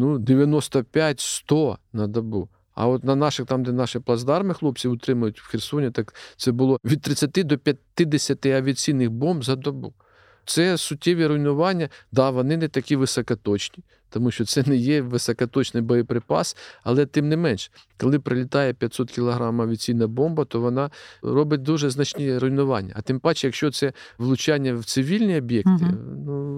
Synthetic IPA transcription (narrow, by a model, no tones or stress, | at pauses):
nud̪eʋʲjɐnɔst̪ɐpʲjatʲst̪ɔnɐd̪ɐbu | ɐ̰ɔt̪nɐnɑʃɪxt̪ɑmd̪ɛnɑʃɪplˠɐzd̪ɑrmɪxlˠɔp̚t͡sʲiʊt̪ɾɪmʊjʊtʲwxʲɪrsɔnʲɛt̪ɑkt̪sɛbʊlˠɔʋʲid̪̚t̪ɾɪt͡sʲːɐt̪ɪd̪ɔpʲjɐt̪ːɪd̪esʲɐt̪ɪɐʋʲiɐt͡sʲijnɪxbɔmbzɐd̪ɐbu | t̪sɛsʊtʲːeʋʲiɾʊjnʊʋɑnʲːɐd̪ɑʋɔnɪnɛt̪ɐkʲiʋɪsɐkɐt̪ɔt͡ʃnʲi | t̪ɔmuʃt͡ʃɔt̪sɛnɛjɛʋɪsɐkɐt̪ɔt͡ʃnɪjbɔjɛpɾɪpɑ̰sɐ̰lˠɛt̪ɪmnɪmɛnʃkɔlˠɪpɾɪlʲɪt̪ɑjɛpʲjɐt̪ʲsɔt̪kʲilˠɐɦɾɑmɐʋʲiɐt͡sʲijnɐbɔmbɐt̪ɔʋɔnɑɾɔbɪt̚ʲd̪uʒɛznɐt͡ʃʲnʲiɾʊjnʊʋɑnʲːɐ̰ɐt̪ɪmpɑt͡ʃjɐkʃt͡ʃɔt̪sɛ | ʋlˠʊt͡ʃɑnʲːɐwt̪sɪʋʲilʲnʲiɔbʲjɛkt̪ɪ̰nu